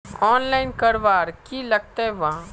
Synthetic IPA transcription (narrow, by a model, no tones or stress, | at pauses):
ɔːnlaːɪnkəɾʋaːɾkilɐɡ̚t̪aʋã